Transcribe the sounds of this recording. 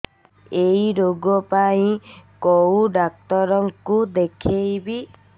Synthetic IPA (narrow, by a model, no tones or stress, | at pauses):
ejɾoɡɔpaĩkɔwɖak̚t̪ɔɾɔŋkud̪ekʰejbi